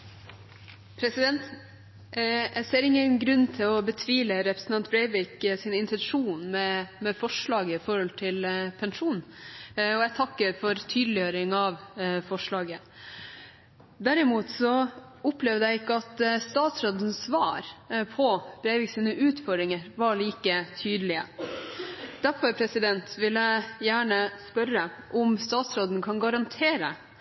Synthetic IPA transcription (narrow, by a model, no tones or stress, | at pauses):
pʰɾɛsɪd̪ɛnt̪ | ʔæɪseːɾɪŋːənɡɾʉnːt̪ʰɪlɔbət̪ʰʋiːləɾɛpɾəsn̩ɑnt̪̚bɾæɪʋɪksɪnɪnt̪ɛnʂuːnmɛmɛfɔʂɭɑːɡəɪfɔɾhɔlt̪ʰɪlpʰɛnʂuːnn | ɔæɪt̪ʰɑkːəɾfɔɾt̪ʰyːd̪lɪjøːɾɪŋɑʋfɔʂɭɑːɡə | d̪æɾɪmuːt̪sɔ | ʊplɛʋd̪əæɪɪkːəɑt̪st̪ɑːt̪sɾoːd̪ənsʋɑːɾpʰɔb̥ɾæɪʋɪksinəʔʉːt̪fɔɖɾɪŋəɾʋɑɭiːkət̪ʰyːd̪əlɪə | d̪̥æɾfɔɾpʰɾɛsɪd̪ɛnt̪ʋɪlːəjæːɳəspœɾə | ʔɔmst̪ɑːt̪sɾoːd̪n̩kʰɑnɡɑɾɑnt̪ʰeːɾə̰